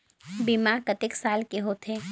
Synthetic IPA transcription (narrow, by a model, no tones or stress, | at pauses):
bimakət̪ɪksaːlkeɦoːt̪ʰɦe